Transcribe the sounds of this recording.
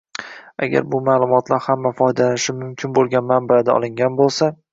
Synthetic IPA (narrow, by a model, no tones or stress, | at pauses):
a̰ɡʲa̰ɾbʊmaːlˠʊmɒt̪ʰlaɾhamːafɒjd̪alanɪʃɪmʊmkʲʰɪnbolˠɡʲanmanbad̪aɒ̰lˠɪŋɡʲanbolˠsa